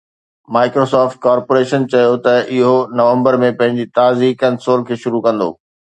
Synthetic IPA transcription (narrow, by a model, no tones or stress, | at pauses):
maːɪkɾosaːfʈ̚kaːɾpoːɾeːʃənt͡ɕɐjot̪ɐɪɦonɐʋə̃mbəɾmẽpɐ̃ɦɪ̃ɲd͡ʑit̪aːzikɐnsoːlkʰeːʃʊɾukɐ̃nd̪o̰ː